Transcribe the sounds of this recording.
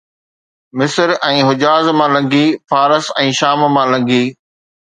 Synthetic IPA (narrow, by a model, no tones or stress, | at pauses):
mɪsəɾɛ̃ːɦʊd͡ʑaːzmãlɐ̃ŋɡʱifaːɾəsɛ̃ːʃaːmmãlɐ̃ŋɡʱiː